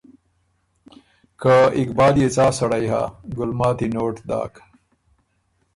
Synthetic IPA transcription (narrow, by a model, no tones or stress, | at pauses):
kaikbaːljet͡saːsɐɽajɦa̰ɡʊlmaːt̪inoːʈd̪a̰ːk